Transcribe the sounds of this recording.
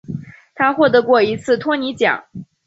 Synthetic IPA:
t̪ʰa˥xwɔ˥˩t̪ɤ˧˥kwɔ˥˩i˧˥t͡sʰɹ̩˥˩t̪ʰwɔ˥ni˧˥t͡ɕjɑ̰˨˩˦ŋ

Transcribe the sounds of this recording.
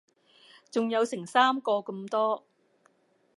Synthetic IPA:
t͡sʊ˨ŋjɐ˨˧wsɪ˨˩ŋsaː˥mkɔː˧kɐ˧mt̪ɔː˥

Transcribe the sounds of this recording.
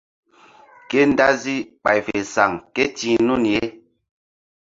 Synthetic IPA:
ke˦n˦da˦zi˦k͡pa˨jfe˨sa˨ŋkɛ˦ti˨nu˦˨n˨je˦

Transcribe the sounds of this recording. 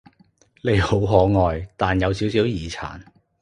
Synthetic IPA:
le˨˧jho˨˥wɦɔː˨˥ŋɔː˨˧jt̪aː˨njɐ˨˧wsiː˨˥wsiː˨˥wjiː˨t͡sʰa̰ː˨˩n

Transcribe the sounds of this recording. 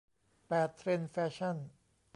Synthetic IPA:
pɛː˨˩t̪ʰːɾe˧nfɛː˧˥ɕʰa˥˩n

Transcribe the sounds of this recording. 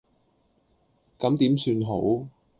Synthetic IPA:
kɐ˨˥mt̪iː˨˥msyː˧nɦo˨˥w

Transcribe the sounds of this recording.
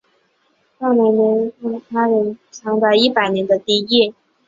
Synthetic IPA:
ta˥˩me˧˥nə˧˥nə˥˩t̪ʰa˥ɻə˧˥nʈ͡ʂʰɑ˧˥ŋd̪ɑ˥˧˩i˥˩pa˨˩ɪnjɛ˧˥nd̪ə˧t̪i˥i˥˩

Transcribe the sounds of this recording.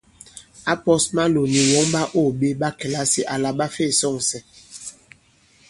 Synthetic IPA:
a˦pɔ˦sma˦lo˨ni˨wɔ˨˦ŋɓa˦ʔo˦˨ɓe˦ɓa˦kɛ˨la˦si˨ʔa˨la˨ɓa˦fe˦˨sɔ˦˨ŋsɛ˦

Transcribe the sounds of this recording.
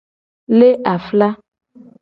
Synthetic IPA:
le˦ʔa˨fla˦

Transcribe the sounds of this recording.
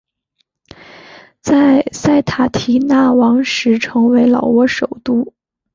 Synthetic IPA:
t͡sa˥˧ɪsa˥˩ɪt̪ʰa˨˩t̪ʰi˧˥na˥˩wɑ˧˥ŋʂɻ̩˧˥ʈ͡ʂʰɤ˧˥ŋwe˧˥ɪlɑ˨˩ʊwɔ˧˥ʂo˨˩ʊt̪u˥˩

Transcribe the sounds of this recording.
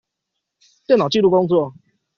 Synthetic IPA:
t̪jɛ˥˨na˨˩t͡ɕi˥˧lu˥˩ko˥˦ŋt͡swɔ˥˨

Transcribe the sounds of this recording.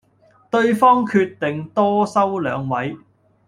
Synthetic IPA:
t̪ɵ˧ɥfɔː˥ŋkʰyː˧t̪t̪ːɪ˨ŋt̪ɔː˥sɐ˥wlœ̰ː˨˧ŋwɐ˨˥j

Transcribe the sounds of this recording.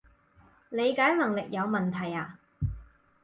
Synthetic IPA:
le˨˧jkaː˨˥jnɐ˨˩ŋlɪ˨k̚jɐ˨˧wmɐ˨˩nt̪ʰɐ˨˩jaː˨˧

